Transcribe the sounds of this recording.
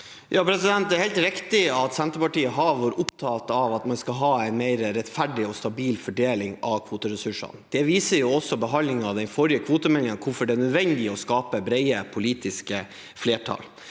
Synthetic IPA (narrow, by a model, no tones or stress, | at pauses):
jʔɑːpʰɾɛsɪd̪ɛnt̪d̪ɛɾhɛɪlt̪ɾɪkt̪ɪɑt̪sɛnt̪əpɑʈiːəɦɑʋɔɾʔʊpt̪ʰɑːt̪ɑʋɑt̪mɑnskɑlɦɑːæɪnmeɪɾəɾɛt̪fæɖɪɔst̪ɑbiːlfɔɖeːlɪŋɑʋkʰʋuːt̪əɾɛsʉʂɑ̰nd̪̥ɛʋiːsəɾjʊɔsːɔbəɦɑnlɪŋɑd̪ɛɪfɔɾjəkʰʋuːt̪əmɛnɪŋɑnkʰʊfɔɖɛæɳœd̪ʋɛnd̪ɪɔskɑːpəbɾɛɪəpʰʊliːt̪ɪskə | fleːʈʰɑ̰l